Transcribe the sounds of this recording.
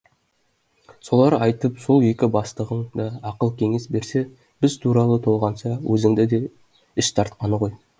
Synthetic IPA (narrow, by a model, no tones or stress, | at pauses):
so̞lˠɑɾɑjt̪əpso̞lˠje̞kʲɪbɑst̪əʁəɴd̪ɑːqəlˠkʲʰe̞ŋe̞sbe̞ɾse̞ | b̥ɪzt̪ʰuɾɑlˠət̪ʰo̞lˠʁɑnʃɑwʔɵzɪŋd̪ɪd̪e̞ | ɪʃt̪ʰɑɾt̪̚qɑnəʁo̞j